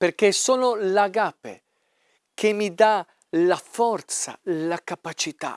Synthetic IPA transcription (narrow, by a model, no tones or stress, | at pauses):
perkesoːnolaɡapḛ | kʰemːid̪a | lafɔrt̪sa̰lakapat͡ʃit̪a̰